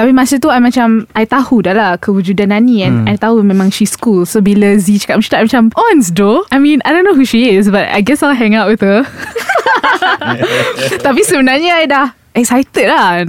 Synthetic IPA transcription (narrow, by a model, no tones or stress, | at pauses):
t̪apimãsət̪uajmãt͡ʃamajt̪ahudahlahkəwud͡ʒudanːãnĩɛ̃najt̪aɦumẽmãŋʃiskulsobilazit͡ʃə̥kat̚maʃə̥t̪aʔajmat͡ʃamʔɔãnsdoʔajmĩnajdõnːoɦuʃiɪs̬bat̚a̰jɡɛsalɦɛ̃ŋatwɪðə | t̪ap̬isəbənarɲaajdah | ɛk̚sajt̪əd̚la